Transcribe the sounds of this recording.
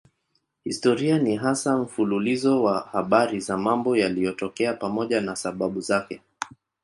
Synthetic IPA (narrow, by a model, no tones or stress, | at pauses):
histɔɾianiɦasam̩fululizɔwahaɓaɾizamambɔjalijɔtɔkɛapamɔʄanasaɓaɓuzakɛ